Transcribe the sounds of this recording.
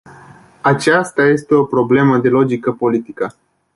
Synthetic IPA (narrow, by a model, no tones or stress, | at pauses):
at͡ʃast̪aje̞st̪e̞o̞pɾo̞ble̞məd̪e̞lo̞d͡ʒikəpo̞lit̪ikə